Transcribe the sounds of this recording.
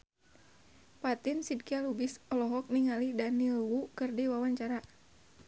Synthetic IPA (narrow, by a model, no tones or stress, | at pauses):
pat̪ɪnsid̚kialubɪsɔlɔɦɔk̚niŋalidanilwukərdiwawaɲt͡ʃaɾa